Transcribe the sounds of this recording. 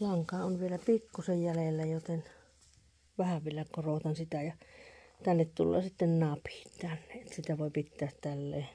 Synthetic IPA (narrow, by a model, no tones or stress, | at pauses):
lɑŋkɑːʔonʋielæpikːusejjælelːæjot̪en | ʋæhæʋʋielækorot̪ɑnsit̪æjɑt̪ænːet̪t̪ṵlːˑɑ̰ːsit̪ːennɑphi̥t̪t̪ænːeʔʔet̪ːæsit̪æʋoˑipit̪ːæːt̪t̪ælːḛː